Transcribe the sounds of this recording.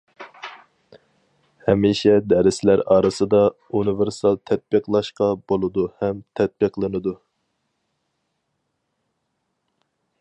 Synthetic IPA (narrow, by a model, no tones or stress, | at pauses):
hɛmiʃɛd̪ɛɾɪslæɾɑːɾɨsɨd̪ɑ | unɨveɾsɑlˠt̪ʰɛt̪̚b̥ɨqlˠɑʃqɑbolˠɨd̪uhɛmt̪ʰɛt̪̚bɨqlˠɨnɨd̪u